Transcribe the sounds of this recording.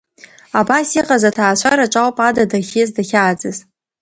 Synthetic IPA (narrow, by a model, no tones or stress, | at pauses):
abasiqʼazatʰaːʃʷʰaɾaʈ͡ʂʷʼawpʼadadaχʲezdaχʲaːd͡zɨz